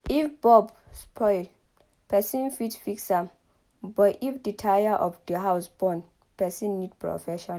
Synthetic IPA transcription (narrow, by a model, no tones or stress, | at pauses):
ifbɔb | spʰɔɪl | pʰɛsĩnfitfiksam | bɔtifditʰajaʔɔfdəɦaʊsbɔ̃n | pʰɛsĩnːidpʰɹɔ̰fɛʃɔ̃n